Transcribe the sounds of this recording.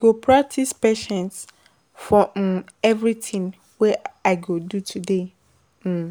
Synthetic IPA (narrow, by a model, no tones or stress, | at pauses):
ɡopʰɾak̚tʰispɛʃɛ̃ns | fɹɔ̃mɛvɾitʰĩŋ | wɛaɪɡodutʰude | m̩